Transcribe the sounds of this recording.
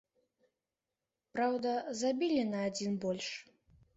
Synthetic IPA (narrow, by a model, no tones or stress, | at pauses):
pɾawd̪ɐzabʲilʲinɐːd͡zʲinbɔlʲʂ